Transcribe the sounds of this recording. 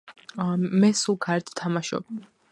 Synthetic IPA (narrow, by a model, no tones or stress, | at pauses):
mɛsulˠkʰaɾɛɾt̪ʰt̪ʰamaʃɔ̰b̚